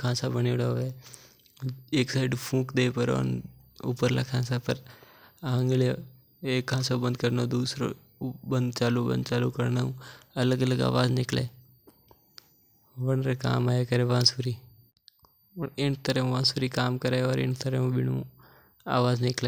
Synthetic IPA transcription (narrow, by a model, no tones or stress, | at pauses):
kʰãːsabəniʊɽaoeː | eːksaːɪɖpʰũːkd̪eːpəɾʋə̰n | ṵːpəɾla̰kʰãːsapəɾãːŋɡle | eːkʰːãːsabə̃nd̪kəɾnaõd̪uːsɾo̰ | bə̃nd̪t͡ʃaːlubə̰̃nd̪̚t͡ʃaːlukəɾnaũɐləɡələɡa̰ːʋaːznɪkleː | ʋənɾeka̰ːmaːjekəɾeʋãːsuːɾiː | ɳɪnt̪əɾẽũʋãːsuɾikaːmkəɾeɔːɾɪ̰nt̪əɾeũbɪnṵ̃ | a̰ːʋaːznɪkleː